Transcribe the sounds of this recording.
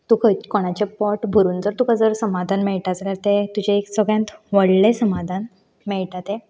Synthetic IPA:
t̪ukʰəkoɽ̃at͡ɕepɔʈbʱəɾuːnd͡zəɾt̪ukʰad͡zəɾsəmad̪ʱanmeɭʈ̪ad͡zaljaɾt̪et̪ud͡ʑeeksəɡɭjãnt̪ʋəɽlesəmad̪ʱan | mɛɭʈ̪at̪e

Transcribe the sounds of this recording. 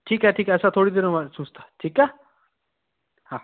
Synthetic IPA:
ʈʰiːkaʈʰiːkasat̪ʰoɽid̪iɾəmasũst̪ḁʈʰiːka | hã

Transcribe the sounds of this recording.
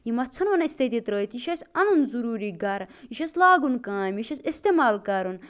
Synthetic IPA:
jimɐt͡sʰɐnʋɐnɐsʲt̪et̪it̪ɾəːit̪iʃɐsʲɐnunzuɾuːɾiːɡɐɾjiʃɐslaːɡunkãːmiʃɐsʲist̪emaːlkɐɾun

